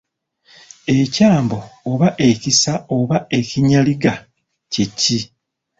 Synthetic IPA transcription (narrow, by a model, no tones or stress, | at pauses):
e̞caːmbo̞ːβaʔe̞cisaoβae̞ciɲaliɡa | ceci